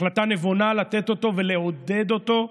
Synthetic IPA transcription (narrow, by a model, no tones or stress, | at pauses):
lat̪ane̞vonalat̪et̪o̞t̪o̞ve̞le̞o̞d̪e̞d̪o̞t̪o̞